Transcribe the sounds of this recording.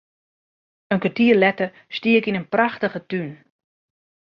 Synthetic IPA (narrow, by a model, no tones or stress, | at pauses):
ənkʋatiəlɛtə | stiəkinənpraxtəχətyn